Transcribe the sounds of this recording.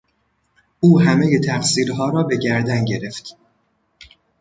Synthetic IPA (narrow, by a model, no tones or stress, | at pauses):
ʔuːɦæmeje̞t̪ʰæxsiːɾɦɒːɾɒːbe̞ɟæɾd̪ænɟe̞ɾe̞ft̪